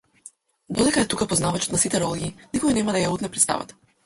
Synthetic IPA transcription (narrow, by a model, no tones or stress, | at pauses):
d̪ɔd̪ɛkaɛt̪ukapɔznavat͡ʃɔt̪nasit̪ɛɾɔlˠɡʲiːnikɔinɛmad̪ajaut̪nɛpɾɛt̪st̪a̰va̰t̪ḁ